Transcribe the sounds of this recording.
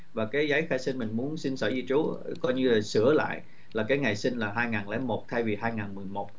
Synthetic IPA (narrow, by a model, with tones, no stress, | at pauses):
vaː˨˩kaː˨˦jza˨˦jxaː˧jsi˧nmï˨˩ŋ̟mu˨˦ənsi˧nsəː˧˩zi˧t͡ɕu˨˦kɔ˧jɲɨ˧laː˨˩sɨ˧˩əla̰ː˧˨jʔ | laː˨˩kaː˨˦jŋa˨˩jsi˧n̟laː˨˩ɦaː˧jŋaː˨˩nlɛ˨˦mo˨˩t̚t̪ʰa˧jvi˨˩haː˧jŋaː˨˩nmɨ˨˩əjmo˨˩t̚